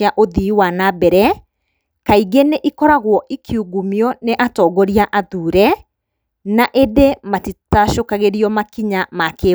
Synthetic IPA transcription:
aʔoðiwanabɛɾɛ | kaiɡeneʔikɔɾaɣwɔʔikʰiuɣumjɔneʔatɔɡɔɾiaʔaðuːɾɛ | naʔedematitaʃokaɣeɾiɔmakiɲamake

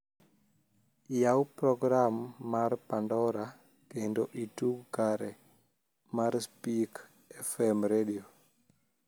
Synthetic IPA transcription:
jawpɾɔɡɾamːarpandɔɾa | kendoʔituɡkaɾɛ | maɾspik | ɛfɛmɾedio

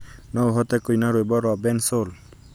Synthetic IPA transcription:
nɔɦɔt̪ɛkujnaɾojbɔɾɔbɛnsol

